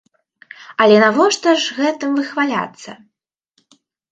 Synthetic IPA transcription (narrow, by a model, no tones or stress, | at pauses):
ɐlʲɛnavɔʂt̪ɐʐɣɛt̪ɨmvɨxvalʲa̰t̪sːɐ̰